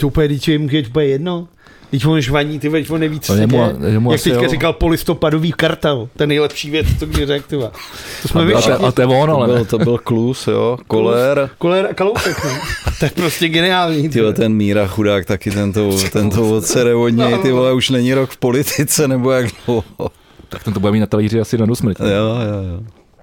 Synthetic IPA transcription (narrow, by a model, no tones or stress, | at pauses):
t̪oupljɛdɪt͡ʃɛmuʒɛit̪upjɛjɛdno | dɪcvonʒvaɲiːt̪ɪvad̪ɪcvonɛjvit͡sɛmɛmjak̚t̪ɛkaɾɪkalpolɪst̪o̞padoviːkaɾt̪ɛlt̪oɛnɛjlɛpʃiːvjɛt͡st̪oɡdɪɾɛk̚t̪ɪvat̪osmɛvɪt̪ɛvonlɛbɪlt̪obɪlklusjokolɛɾkolɛɾakalowsɛknot̪ojɛpɾoscɛɡɛnɪaːlɲit̪ɪɛt̪ɛnmiːɾaxudaːkt̪akɪt̪ɛnt̪ot̪ɛnt̪ovot̪t͡sɛɾɛvodɲɛt̪ɪvolɛuʃnɛɲɪɾokfpolɪt̪ɪt͡sɛnɛbojaɡdo | t̪ḁk̚t̪ɛnt̪obudɛmiːt̪nat̪aliːrɪasɪdanusmɾ̩cjoːjoːjjo